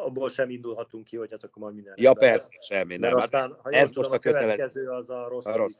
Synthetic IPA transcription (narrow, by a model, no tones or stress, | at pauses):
ɔboːlʃɛmind̪ulɦɒt̪uŋkːihochat̪ɒkːoɾmɒjd̪ind̪ɛnjɒpɛrsɛʃɛmenɛɾɔaːnhɒjeɛzmuoʃt̪ɒkøt̪ɛlɛɛzøːɒzɒɾosɾos